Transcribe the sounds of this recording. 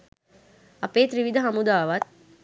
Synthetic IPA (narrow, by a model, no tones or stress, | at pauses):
ɐpeːt̪ɾiʋid̪əɦamud̪aːʋat̪̚